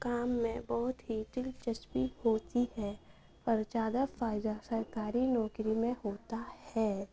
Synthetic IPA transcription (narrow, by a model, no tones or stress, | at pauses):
kaːmːẽbɔːʊt̪ɦiʈɪlt͡ʃəspihoːt̪iɦɛ | pəɾt͡ʃaːd̪əfaːjd̪asəɾkaːɾinɔːkɾimẽɦoːt̪ahɛː